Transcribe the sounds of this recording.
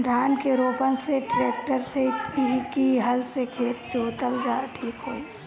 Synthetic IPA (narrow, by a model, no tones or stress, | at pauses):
d̪ʱjaːnkeɾoːpənseʈɾeːk̚ʈəɾseɦkiɦəlsekʰeːt̪t͡ʃoːt̪əld͡ʒaːʈʰiːkɦoːi